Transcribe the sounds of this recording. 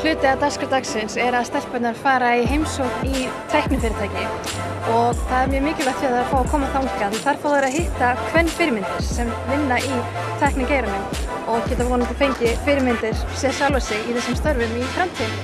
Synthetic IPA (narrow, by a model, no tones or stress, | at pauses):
l̥ʏːt̪ɪat̪askat̪aksɪnsɛɾaðst̪ɛlpœt̪naɾfaːɾaiɦejmsowknit̪ʰɛhknɪfɪɾɪt̪ʰaːjcɪ | ɔɣθaðɛɾmjɛmɪːcɪlat̪jɛðaɾafaːwakʰɔːmaθawuk̪anθaɾ̥faːwðɛɾaðɦɪht̪akʰvɛnːfɪːɾɪmɪnt̪ɪɾ̥sɛm | vɪnːaʔi | t̪ʰajhknacejɾanɪm | ɔɣcɛːt̪avɔːnɪt̪ɪlfʰejɲcɪfɪːɾɪmɪnt̪ɪɾ̥sɛsawlvasɪɣiθɛsːɪmst̪œɾvʏmifɾamt̪ʰiːð